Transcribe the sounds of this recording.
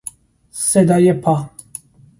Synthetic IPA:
sɛd̪ajɛpʰa

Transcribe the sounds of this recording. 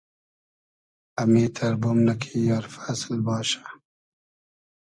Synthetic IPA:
amiːt̪ʰaɾbumnakʰejɑːɾfaslbɑːʃḁ

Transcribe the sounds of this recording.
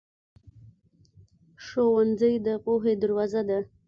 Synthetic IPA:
ʂowand͡zəjd̪əpoɦed̪əɾwɑzad̪a

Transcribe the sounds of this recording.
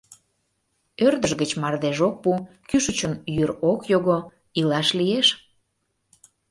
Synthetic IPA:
ørd̪əʒɣət͡ɕmɑrd̪eʒok̚pu | kyʃət͡ɕənjyɾokjoɣo | ilɑʃlieʃ

